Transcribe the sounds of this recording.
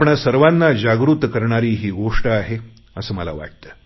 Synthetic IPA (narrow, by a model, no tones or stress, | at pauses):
pɳasəɾʋanːad͡ʑaɡɾut̪kəɾɳaɾiːɦiːɡoʂʈəaɦe | əsəːməla̰ʋa̰ʈ̚t̪əː